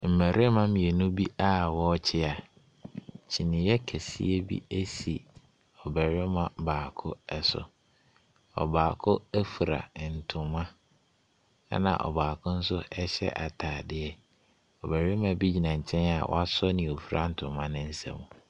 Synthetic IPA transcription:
m̩˨mæ˨ɾɪ˦mã˦mĩ˨e˨nũ˦bi˦ʔa˦˨wɔ˦t͡ɕʰɪ˦a˨ | t͡ɕʰi˨nɪ̃˨jɛ˦kʰæ˨sḭ˦e˦bḭ˦æ˦si˨ | ɔ˨bɛ˨ɾɪ˦mã˨baː˨kʰʊ˦ɛ˨sʊ̰˨ | ɔ̰˨baː˨kʰʊ˦æ˦fu˨ɾa̰˨n̩˨tʰʊ̃˨mã˦ | a̰˦nã̰˨ʔɔ̰˨baː˨kʰʊ̃˦n̩˦sʊ˦ɛ˦ɕɛ̰˦ʔa˨tʰaː˨dɪ˦ɛ˦ | ɔ˨bæ˨ɾɪ˦mã˨bi˦d͡ʑi˨nã˨ɲ̩˨t͡ɕʰɛ̃˦na˨wɔ̰˦a˦sɔ˦nɪ̃˨o˨fu˨ɾa˦n̩˨tʰʊ̃˨mã˦nɪ̃˦n̩˦sã̰˦mũ˨

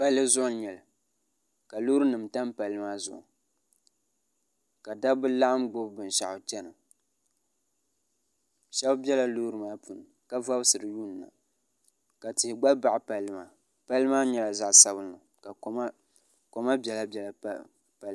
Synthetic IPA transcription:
pa˦lːɨ˦zʊ˦ʔʊ˨˦ɲɛ˨lɨ˨ | ka˨lu˦ɾɨ˦nɨ˨mta˦mpa˨lːɨ˦maː˦zʊ̰˨ʔʊ̰˨ | ka˨da˦bɨ˦la˦ʔa˦mɡo˦bbɨ˨n˨ʃa˨ʔʊ˨t͡ʃɛ˦nɨ˨ | ʃɛ˦bbɛ˦la˨lu˦ɾɨ˨maː˦pu˨nɨ˨ | ka˦va˦bsɨ˨ɾɨ˨ju˦˨n˨na̰˨ | ka˨tɪ˨hɪ˨ɡ͡ba˦ba˨ʔɪ˨pa˨lɨ˦maː˨ | pa˦lɨ˦maː˦ɲɛ˨la˨za˨ʔsa˦bɨ˦nːɨ˨ | ka˨˦ma˦ | ko˨ma˦bʲɛ˨la˦bɛ˨la˨˦ | pa˦l

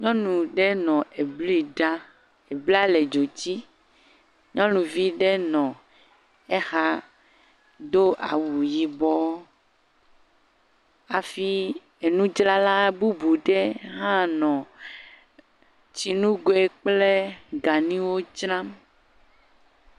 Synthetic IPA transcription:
ɲɔ̃˦nũ˨ɖɛ˦nɔ̃˨e˨bli˦ɖa˦ | e˨bli˦a˦le˨d͡ʒo˨t͡ɕi˦ | ɲɔ̃˦nũ˨vi˦ɖe˦nɔ̃˨ | e˦xa˦ | ɖo˦ʔa˨wu˨ji˨bɔ˦ | a˨fi˦ | e˨nũ˦d͡ʒla˦la˦bu˦bu˨ɖe˦ɦã˦nɔ̃˨ | t͡ɕi˨nũ˦ɡo˨e˦k͡ple˦ɡa˨nĩ˦wo˦t͡ʃɾã˦m

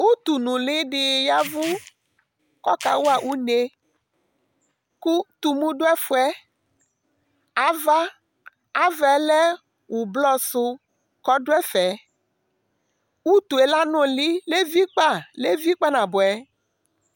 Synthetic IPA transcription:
wu˦t̪u˨nũ˨li˦ɖɪ˨ja˦vu˦ | kɔ˦ka̰˨wu˦a˨ʔu˦ne˦ | ku˦t̪u˨mũ˦ɖo˦ɛ˦fo˦ɛ˦ | a˨va˦ | a˨vɛ˨le˦ | wu˨blɔ˦sʊ˦ | kɔ˦ɖo˦ɛ˦fɛ˨ | wu˦t̪u˨e˨la˦nõ˦li˦le˦vi˦k͡pa˦˨le˦vi˦k͡pa˦nã˨bo˨ɛ˦

